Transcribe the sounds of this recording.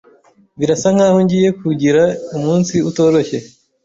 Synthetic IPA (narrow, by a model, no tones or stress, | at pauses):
βiɾasaŋ̥haːhoɲɟije̞kuɟiɾaumuːnsiuto̞ːɾo̞çe̞